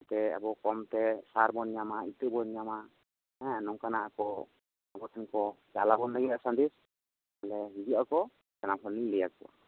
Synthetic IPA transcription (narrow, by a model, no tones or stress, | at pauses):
t̪ɛa̰bɔkɔmt̪ɛsaɾbɔnɲamait̪əbɔɲɲama | ɛ̃nɔŋkanaʔakɔ | abɔtʰɛnkɔt͡ʃa̰labɔnːaɡitasand̪is | alɛɦid͡ʒiakɔ | d͡ʒanapɦɔniŋlɛjak̚ɔ̰wa̰